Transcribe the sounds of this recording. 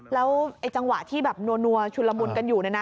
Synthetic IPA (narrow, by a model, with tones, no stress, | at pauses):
lɛː˦˥wʔa˧jt͡ɕa˧ŋwa̰˨˩ʔt̪ʰiː˥˩bɛː˨˩p̚nu˧ɐnu˧ɐt͡ɕʰu˧la˧mu˧nka˧njuː˨˩na˧˦˩na˦˥